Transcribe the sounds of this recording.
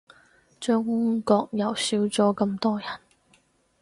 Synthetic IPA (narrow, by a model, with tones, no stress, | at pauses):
t͡ʃœː˥ŋhʊ˥ŋkɔː˧k̚jɐ˨˩wsiː˨˥wt͡sɔː˨˥kɐ˧mt̪ɔː˥jɐ˨˩n